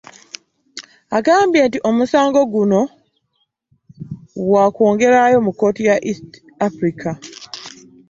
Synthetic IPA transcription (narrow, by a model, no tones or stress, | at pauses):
aɡaːmbje̞ntiʔo̞musaːŋɡo̞ɡuno̞ | wwako̞ːŋɡe̞ɾajo̞mukːo̞tijaʔist | afɾikʰa